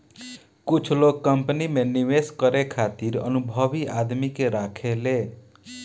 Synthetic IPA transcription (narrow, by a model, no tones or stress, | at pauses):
kut͡ʃʰlokːəmpnimeniʋeskʌɾekʰat̪iɾʌ̰nubʱʌbiʔad̪mikeɾakʰele